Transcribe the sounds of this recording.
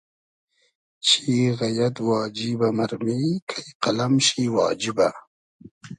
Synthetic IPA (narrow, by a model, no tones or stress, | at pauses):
t͡ʃʰiɣajat̪wɑːd͡ʒibamaɾmikʰajqalamʃiwɑ̰ːd͡ʒiba